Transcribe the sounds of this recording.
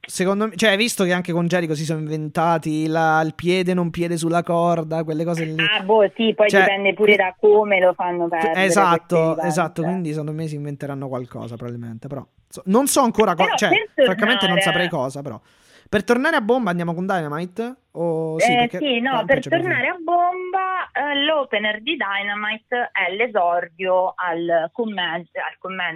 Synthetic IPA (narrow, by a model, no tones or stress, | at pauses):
sekond̪omet͡ʃoɛvist̪okeaŋkekond͡ʒɛːɾikos̬is̬ɔːnoiɱvent̪aːt̪ilailpjɛːd̪enompjɛːd̪es̬ulːakɔrd̪akwelːekɔːzelːiabosipɔjdt͡ʃɛipɛnd̪epuːɾed̪akomelofanːopɛɾezat̪ːoezat̪ːokkwind̪isekond̪omes̬iɱvent̪eɾanːokwalkɔ̰ːzapɾovabilmḛnt̪epeɾɔ̰ | sɔnonsɔaŋkoːɾakɔt͡ʃɛert̪oɾaŋk̬ːament̪enonssapɾɛjkɔːzapeɾɔ̰ | pert̪ornaːɾeabːombaːnd̪jaːmok̬ond̪ajnamajt̪ | osikːeinɔpert͡ʃt̪ornaːɾeabːombalɔpenerd̪id̪ajnamajt̪ɛlezɔrd̪joalkomːɛa̰lkomːɛn